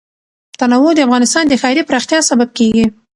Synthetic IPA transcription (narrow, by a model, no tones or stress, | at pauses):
t̪anawod̪əafɣɑnɪst̪ɑnd̪əxɑɪɾipɾɑxt̪jɑsabab̚keɡi